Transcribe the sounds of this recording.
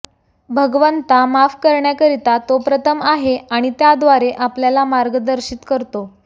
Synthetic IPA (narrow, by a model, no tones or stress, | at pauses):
bʱəɡʋənt̪amafkəɾɳjakəɾit̪at̪opɾət̪ʰəmaɦeaɽ̃it̪jad̪ʋaɾeʔapljalamaɾɡəd̪əɾɕiːt̪kəɾt̪o